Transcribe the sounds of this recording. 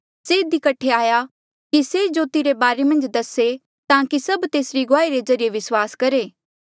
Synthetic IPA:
seɪd̪ikɐʈʰːeaːja | kised͡ʒoːt̪iɾebaːɾemɐ̃nd͡ʒd̪ɐse | t̪ãːkisɐbt̪eːsɾiɡʊaːiɾed͡ʒɐɾijeʋɪswaːskɐɾeː

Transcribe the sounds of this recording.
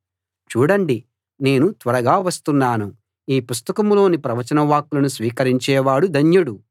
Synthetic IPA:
t͡ʃuːɽɐɳɖi | ne̞ːnut̪ʋɐɾɐɡaːʋɐst̪unːaːnu | iːpust̪ɐkɐmlo̞ːnipɾɐʋɐt͡ʃɐnɐʋaːkːulɐnusʋiːkɐɾiɲt͡ʃɛːʋaːɽud̪ʱɐɲjuɽu

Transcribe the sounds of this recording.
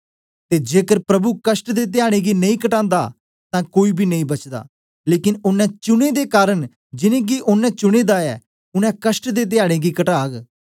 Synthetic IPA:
t̪eːd͡ʒeːkəɾpɾɐbukəsʈd̪eːt̪̬ɪjaːɽ̃ẽːɡinɐĩkəʈãːnd̪a̰ː | t̪ãːkoːibʱiːnɐĩːbɐt͡ʃd̪a̰ː | leːkɪnʊnːɛ̃ːt͡ʃʊñeːd̪ekaːɾən | d͡ʒɪnẽːɡiʔʊnːɛ̃t͡ʃʊɽ̃eːd̪aɛː | ʊnɛ̃ːkəsʈd̪eːt̪̬ɪjaːɽ̃ẽːɡikəʈaːɡ

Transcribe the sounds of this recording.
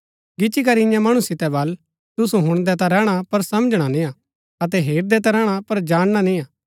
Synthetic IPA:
ɡɪt͡ʃik̬ɐɾiɪ̃jãmɐɽ̃usɪt̪ɛbɐl | t̪ʊs̬ũɦʊɽ̃d̪ɛt̪aɾɛːɽ̃apɐɾsɐməd͡ʒɽ̃anĩːãː | ɐt̪ɛɦeːɾd̪ɛt̪aɾɛːɽ̃apɐɾd͡ʒaːɽ̃ñanĩaː

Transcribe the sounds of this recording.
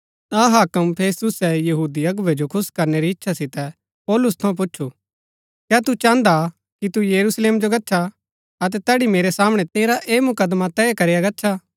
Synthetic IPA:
ɐɦaːkəmpʰeːst̪ʊsɛjɐɦuːd̪iɐɡʊʋed͡ʒokʰʊskɐɾneɾiɪtːʃʰasɪt̪ɛ | pɔːlʊst̪ʰɐũp̬ʊtːt͡ʃʰu | kjɛːt̪ut͡ʃãːnd̪a | kit̪ujɐɾuːsleːmd͡ʒoɡɐtːʃʰa | ɐt̪̬ɛt̪ɛːɽimeːɾɛsaːməɽ̃ɛt̪eːɾaʔeːmʊkəd̪mat̪ɛːekɐɾɪjaɡɐtːʃʰaː

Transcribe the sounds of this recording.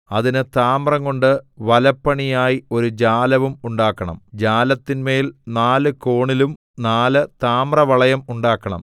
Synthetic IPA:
ɐðinɨt̪aːmrɐŋko̞ɳɖɨʋɐlɐpːɐɳijaːjio̞ɾud͡ʑaːlɐʋumuɳɖaːkːɐɳɐ̰md͡ʑaːlɐt̪ːinmeːlnaːlɨko̞ːɳilum | naːlɨt̪aːmrɐʋɐɭɐjɐmuɳɖaːkːɐɳɐ̰m

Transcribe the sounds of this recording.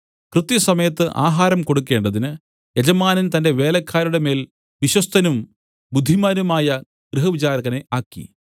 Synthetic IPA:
krɨt̪ːjɐsɐmɐjɐt̪ːɨʔa̰ːɦaːɾɐmko̞ɽukːe̞ːɳɖɐðinɨ | jed͡ʑɐmaːnɐnt̪ɐnde̞ʋe̞ːlɐkʰːaːɾuɽe̞me̞ːl | ʋiɕwɐst̪ʰɐnum | bud̪ʱːimaːnumaːjɐ | ɡ̥rɨɦɐʋit͡ɕaːɾɐɣɐneʔaːkːḭ

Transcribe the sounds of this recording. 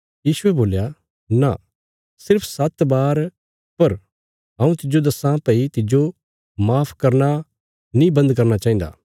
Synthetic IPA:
jiːsʊɛboːlja | na | sɪɾpʰsɐt̪baːɾ | pɐɾ | ɦɐ̃ũt̪ɪd͡ʒod̪ɐsãpɐit̪ɪd͡ʒo | maːpʰkɐɾna | nĩbɐ̃nd̪k̬ɐɾnat͡ʃaːɦĩːnd̪a̰ː

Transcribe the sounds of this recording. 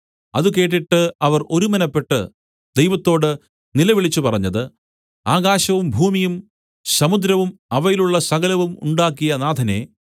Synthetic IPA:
ɐðuke̞ːʈ̬ːiʈːɨɐʋɐro̞ɾumɐnɐpːe̞ʈːɨ̰ | d̪ejʋɐt̪ːo̞ːɽɨ | nilɐʋiɭit͡ɕːupɐrɐɲːɐðɨ | aːɡaːɕɐʋumbʱuːmijum | sɐmud̪ɾɐʋumɐʋɐjiluɭːɐsɐɡɐlɐʋumṵɳɖaːkːijɐnaːd̪ʱɐne̞̰

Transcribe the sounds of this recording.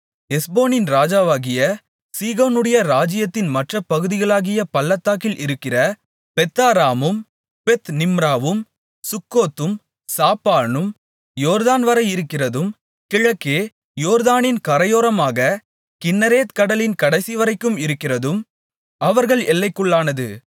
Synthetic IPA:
ɛsboːnɪnɾaːd͡ʒaːʋaːɣɪjɐ | siːɣoːnɯɽɐjɐɾaːd͡ʒɪjɐt̪ːɪnmɐʈrɐpːɐɣɯðɪɣɐɭaːɣɪjɐpɐlːɐt̪ːaːkɪlʔɪɾɯkːɪrɐ | pɛt̪ːaːɾaːmɯm | pɛt̪nɪmɾaːʋɯm | sʊkːoːt̪ːɯm | saːpaːnɯm | joːɾðaːnʋɐɾɐɪɪɾɯkːɪrɐðɯm | kɪɻɐkːeː | joːɾðaːnɪnkɐɾɐjoːɾɐmaːɣɐ | kɪnːɐɾeːt̪kɐɽɐlɪnkɐɽɐɪsiʋɐɾɐɪkːɯmɪɾɯkːɪrɐðɯm | ʔɐʋɐɾɣɐɭɛlːɐɪkːɯɭːaːnɐðɯ̰

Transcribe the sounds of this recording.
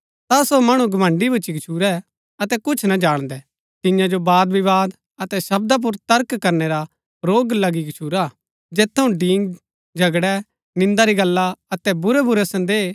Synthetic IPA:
t̪asomɐɽ̃ũɡɐmə̃ɳɖibʱɐt͡ʃikt͡ʃʰuːɾɛ | ɐt̪ɛkʊt͡ʃʰnɐd͡ʒaːɽ̃d̪ɛ | t̪ɪ̃jãd͡ʒobaːd̪biʋaːd̪ | ɐt̪ɛʃɐbd̪ap̬ʊɾt̪ɐɾkkɐɾneɾa | ɾoːɡlɐɡikt͡ʃʰuːɾa | d͡ʒeːt̪ʰːɐũɖiːŋ | d͡ʒʱɐɡɽɛ | nɪ̃nd̪aɾiɡɐlːaɐt̪ɛbʊɾɛbʊɾɛsɐ̃nd̪eː

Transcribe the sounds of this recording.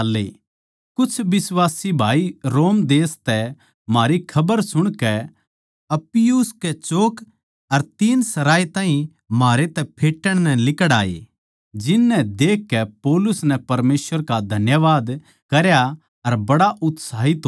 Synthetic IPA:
lːḛ | kʊt͡ʃʰbɪsʋaːsibʱaːiɾoːmd̪eːst̪ɛ | maːɾikʰɐbəɾsʊɽ̃kɛ | ɐpɪjuːskɛt͡ʃoːk | ɐɾt̪iːnsɐɾaːit̪ãːɦĩ | maːɾet̪ɛpʰeːʈːəɽ̃nɛ̃lɪkəɽa̰ːḛ | d͡ʒɪnːɛ̃d̪eːkːɛpoːlʊsnɛ̃pɐɾmeːsʋəɾkad̪ʱɐnjəʋaːd̪ | kɐɾja | ɐɾbɐɽaʔʊt̪saːɦit̪o

